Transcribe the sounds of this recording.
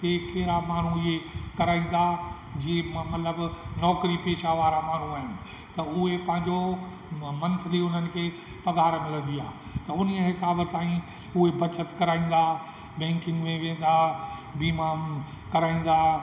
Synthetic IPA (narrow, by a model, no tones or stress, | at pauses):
t̪eːkeɦɪɾamaːɳ̤ũɪɦekɐɾaːĩːn̆d̪a | d͡ʑiːmɐt̪ləbnɔːkɾipeːʃaʋaːɾamaːn̤ũaːɦɪnɪ̆ | t̪ɐʊɦepɐ̃ɦɪ̃ɲd͡ʑo | mɐ̃nt̪ʰəliʊn̤ənɪ̆kʰeː | pɐɡaːɾmɪlə̃nd̪ijaː | t̪ɐʊniəɦɪsaːbəsãːĩ | ʊɦebɐt͡ɕət̪kɐɾaːĩːn̆d̪aː | bɛ̃ːŋkɪ̃ŋɡmẽʋẽːn̆d̪abiːmaːn | kɐɾaːĩːn̆d̪aː